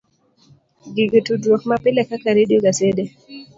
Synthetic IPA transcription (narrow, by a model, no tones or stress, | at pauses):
ɡiɡətudɾɔxmapilɛkakaɾiɗiɔɡasɛɗɛ